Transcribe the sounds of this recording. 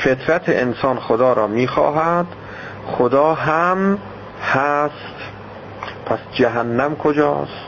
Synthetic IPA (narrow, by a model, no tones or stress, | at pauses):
fet̪ʰɾæt̪ʰḛʔensɒːnxod̪ɒːɾɒːmiːxɒ̰ːɦæd̪̥ | χod̪ɒːɦæm | hæst̪ | pʰæsd͡ʒæɦænːæmkʰod͡ʒɒ̰ːst̪